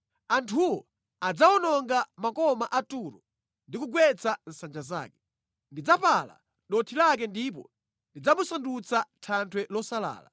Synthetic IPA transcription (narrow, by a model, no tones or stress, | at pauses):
antʰuwɔ | ad͡zaɔnɔŋɡamakɔmaʔatuɾɔ | ndikuɡwɛt͡sʰan̩sand͡ʒaza̰ːkɛ̥ | ndid͡zapala̰ | ɗɔtʰilak̬ɛndip̬ɔ̰ | ndid͡zamusandut͡satʰantʰwɛlɔsala̰ːla̰